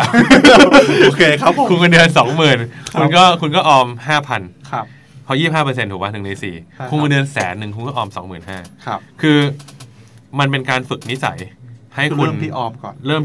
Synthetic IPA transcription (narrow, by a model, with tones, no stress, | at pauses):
o˧kʰeː˧kʰa˦˥pʰo˦kʰu˧nkːndɯ˧ənsɔː˩˦ŋmɯː˨˩nkʰu˧nkɔː˥˩kʰu˧nk̬ɔː˥˩ʔɔː˧mhaː˥˩pʰa˧nʰ˦ | pʰɔ˧jiː˥˩p̚haː˥˩pɤː˧se˧nt̪ʰuː˨˩wɓa˦˥nʰɯ˨˩nɯː˧sḭː˨˩kʰu˧nː˧ndɯ˧ənsɛː˩˦nːɯ˨˩ŋkʰu˧nkɔː˥˩ʔɔː˧msɔ˩˦ŋmɯː˨˩nɦaː˥˩˦kʰɯː˧ | ma˧npe˧nkaː˧nfɯ˨˩k̚ni˦˥sa̰˩˦jha˥˩jkʰu˧˩nt̪ʰi˥˩ʔɔː˧mkɔ̰ː˨˩nɾɤː˥˩m